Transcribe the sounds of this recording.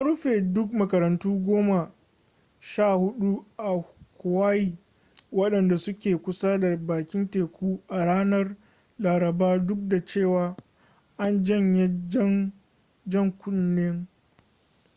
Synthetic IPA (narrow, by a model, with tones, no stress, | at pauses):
ʔa˦ɾʊ˦ɸeː˨dʊ˦k̚mɐ˨kɐ˨ɾɐ˨ntuː˦ɡʷoː˦ma˨ | ʃaː˦˨hʊ˦ɗu˦ʔa˨kʷʊ˨waː˦jiː˨ | wɐ˦ɗɐ˨nda˨sʊ˦kʲeː˨kʷʊ˦sa˦da˨baː˨kʲɪ˦nteː˨kʷʰuː˦ʔa˨ɽaː˦nɐ˦r | laː˨ɾɐ˨baː˦dʊ˦k̚da˨t͡ʃeː˦˨waː˨ | ʔa˦nd͡ʒɐ˦˨ɲje˦d͡ʒŋ | d͡ʒɐ˦˨ŋkʷʊ˦nːeː˦ŋ